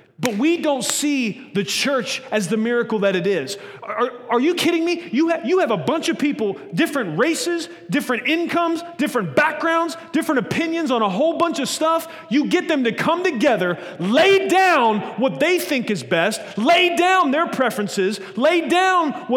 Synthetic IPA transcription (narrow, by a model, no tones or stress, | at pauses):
b̥ʌt̚widõʊ̃ntsiðɨt͡ʃʰɜ˞t͡ʃɨzðɨmɪɹɨkl̩ˠðɨɾɨɾɪz̥ | əə˞jɨkʰɪɾɪ̃ŋmijɨjɨːvəbʌ̃nt͡ʃʌv̥pʰipl̩ˠdɪfɹɨ̃nʔ̚ɹeɪsɪz | dɪfɹɨ̃ntɪ̃nkʰʌ̃mzd̥ɪfɹɨ̃nb̥æk̚ɡ̥ɹãʊ̃ndzd̥ɪfɹɨ̃ntɨpʰɪ̃njɨ̃nzn̩əɦoʊlˠbʌ̃nt͡ʃʌv̥stʌf | jɨɡɛt̪̚ðɨ̃mtɨkʰʌ̃mtɨɡɛðə˞ | leɪdãʊ̃nwʌt̪̚ðeɪθɪ̃ŋkɨzbɛstleɪdãʊ̃nðə˞pʰɹ̥ɛfɹɨ̃nsɪz | leɪdãʊ̃nwʌ